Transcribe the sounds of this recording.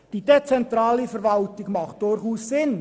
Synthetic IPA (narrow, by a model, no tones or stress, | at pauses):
d̥iːd̥et͡sɛntɾɑːlifɛɾvɑltɪɡmɑχt̚d̥ʊɾχuːssɪn